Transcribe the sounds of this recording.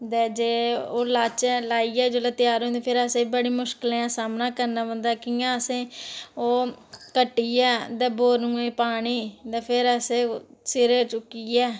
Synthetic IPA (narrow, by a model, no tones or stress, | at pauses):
d̪ɛːd͡ʒeːoːlaːt͡ʃɛlaːiːɛːd͡ʒoːlət̪ɪjaːɾɦõnd̪eːpʰɪɾəsẽːbəɽiːmʊʃkəlẽãːsaːmnaːkəɾnaːʋə̃nd̪aːkiːãːəsẽːoːkəʈːiːɛːd̪ɛ̃ːboːɾũːẽːpaːɽ̃iːt̪ɛ̃ːpʰɪɾəsẽːsɪɾeːt͡ʃʊkːiːɛː